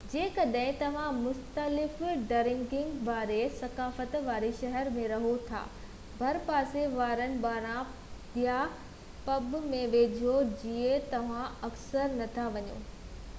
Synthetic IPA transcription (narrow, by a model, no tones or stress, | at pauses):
d͡ʑeːkɐɗɦɪ̃t̪ɐʋ̤ãmʊxt̪əlɪfɖɐɾɪ̃ŋɡɪ̃ŋɡʋaːɾesɐkaːfət̪ʋaːɾeʃɐɦɛɾmẽɾɐɦot̪ʰa̰ː | bʱɐɾpaːseʋaːɾənɪ̆baːɾã | ija | pɐbmẽʋeːd͡ʑʱod͡ʑiet̪ɐʋ̤ãɐksəɾnɐt̪ʰaʋɐɲo̰ː